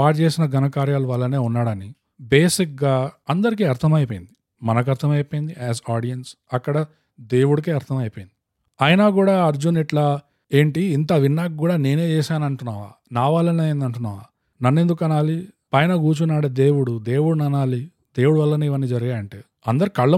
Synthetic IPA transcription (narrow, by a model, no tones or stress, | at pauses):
aːʈt͡ʃe̞ːsinɐɡʱɐnɐkaːɾjaːluʋɐlːɐne̞ːunːaːɽɐni | be̞ːsik̚ɡaːɐnd̪ɐɾik̬iɐɾt̪ʰɐmɐjpoːjind̪i | mɐnɐk̬ɐɾt̪ʰɐmɐjpoːjind̪iʔɛːsaːɽijɐns | ɐkːɐɽɐ | d̪e̞ːwuɽuk̬eːɐɾt̪ʰɐmɐjpoːjnd̪i | ɐjnaːkuːɽaːɐɾd͡ʒuniʈlɐ | e̞ːɳʈiːnt̪̬ɐʋinːaːk̚ɡuːɽaːne̞ːne̞ːt͡ʃɛːʃaːnɐɳʈunːaːʋa̰ːnaːʋaːlːɐnejend̪ɐɳʈunːa̰ːʋaː | nɐnːend̪ukɐnaːlipɐjnɐɡuːt͡ʃunːaːɽed̪e̞ːwuɽud̪e̞ːwuɽunɐnaːli | d̪e̞ːwuɽuʋɐlːɐnuːiʋɐnːiːd͡ʒɐɾɐɡaːɾɐɳʈeː | ɐ̰nd̪ɐɾikɐɭːɐ